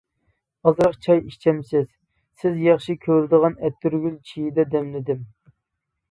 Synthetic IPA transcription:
ɑzɾəqt͡ʃʰɑjiʃt͡ʃʰɛmsɪz̥ | sɪzjɑχʃikʲʰøɾɪd̪əʁɑnɛt̪ːyɾɡʲylt͡ʃʰijid̪ɛd̪ɛmlɪd̪ɪm

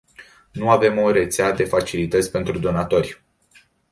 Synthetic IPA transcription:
nuave̞moɾe̞t̪sead̪e̞fat͡ʃilit̪ət̪sʲpe̞nt̪ɾud̪o̞nat̪o̞rʲ

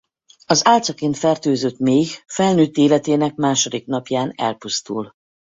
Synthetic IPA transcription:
ɒzaːlt̪sɒkeːnt̪fɛrt̪øːzøt̪meːɡfɛlnyːt̪ːeːlɛt̪eːnɛk̚maːʃo̞d̪ikn̪ɒpjaːnɛ̰lpust̪ul

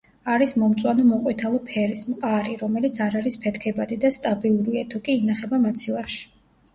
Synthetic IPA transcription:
aɾismɔmt̪sʼwanɔmɔqʼwit̪ʰalˠɔpʰɛɾismqʼaɾiɾɔmɛlit̪sʰaɾaɾispʰɛt̪ʰkʰɛbad̪id̪ast̪ʼabilˠuɾiɛt̪ʰɔkʼiːnaχɛbamat̪sʰilˠaʃi̥

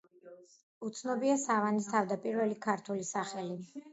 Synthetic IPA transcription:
ut̪sʰnɔbiasavanist̪ʰavd̪apʼiɾvɛlikʰaɾt̪ʰulisaχɛli

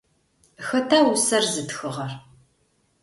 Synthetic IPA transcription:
xɐtʰaːwusɐrzɨtxɨʁɐr

